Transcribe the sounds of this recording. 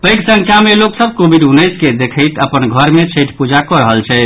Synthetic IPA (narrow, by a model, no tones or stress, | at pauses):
pəjksə̃ŋkʰjameloksəb̚kobʱiɖunːəjsked̪ekʰəɪt̪əpənɡʱəɾmet͡ʃʰəʈpud͡ʒakɔɾəɦəlt͡ʃʰɛ